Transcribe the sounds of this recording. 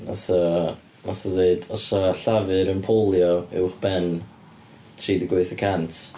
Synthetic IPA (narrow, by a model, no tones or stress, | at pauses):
naθɔ | naθɔðeɨdɔsaɬavɨɾənpʰolˠjɔɛ̰wχb̥ɛn | tʰriːdəɡwoɨθəkʰantʰ